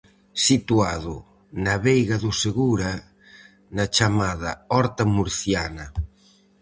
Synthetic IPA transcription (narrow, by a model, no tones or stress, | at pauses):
sit̪uaðʊ | naβejɣaðʊseɣuɾa | nɐt͡ʃamaðɐ̰ɔɾt̪amuɾθjanɐ